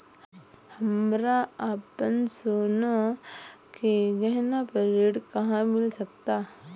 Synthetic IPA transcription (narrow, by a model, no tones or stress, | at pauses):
hɐmɾaaːpənsoːno | keɡɛɦnapəɾeːɽkɐɦãmɪlsɐkt̪aː